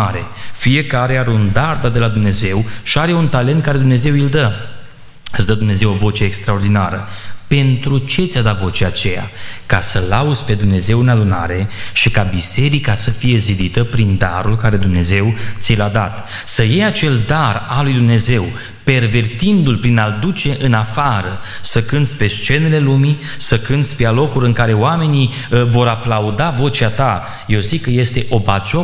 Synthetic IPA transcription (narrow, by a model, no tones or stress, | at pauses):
aɾe̞fije̞kaɾe̞aɾeund̪ard̪at̪̚d̪e̞lad̪umne̞ze̞wʃiaɾe̞unt̪alent̪̚kaɾe̞d̪umne̞ze̞wild̪ə | ɨsd̪əd̪umne̞ze̞wovo̞t͡ʃe̞ːkst̪ɾao̞rd̪inaɾəpe̞nt̪ɾut͡ʃe̞t̪sʲad̪at̪vo̞t͡ʃeat͡ʃe̞ja̰kasəlaud̪zʲpe̞d̪umne̞ze̞wɨnad̪una̰ɾe̞ʃikabise̞ɾikasəfije̞zid̪it̪əpɾind̪a̰ɾulkaɾe̞d̪umne̞ze̞wt̪sʲijlad̪a̰t̪ | səjejat͡ʃe̞ld̪aralujd̪umne̞ze̞w | pe̞rve̞rt̪ind̪ulpɾinald̪ut͡ʃe̞ʔɨnafaɾəsəkɨnt̪spe̞st͡ʃe̞ne̞le̞lumi | səkɨnd̪spe̞alo̞kuɾɨŋkaɾe̞oame̞ni | vo̞ɾaplaud̪avo̞t͡ʃiat̪a | je̞wzikːəje̞st̪e̞ʔo̞bat͡ʃo